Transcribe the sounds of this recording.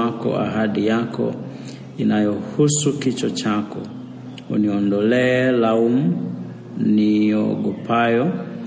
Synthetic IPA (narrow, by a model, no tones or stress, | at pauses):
akɔ̰a̰ɦadijakɔ̰ | inajɔhusukit͡ʃɔt͡ʃakɔ | ṵniɔndɔlɛlaumu | niɔ̰ɡɔpajɔ